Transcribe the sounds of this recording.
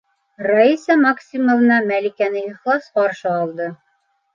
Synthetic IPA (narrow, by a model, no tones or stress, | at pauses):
raisəmɑksʲimŏvɤ̆nɑmælikænɘiχlˠɑsqɒɾʃɤɒlˠd̪ɤ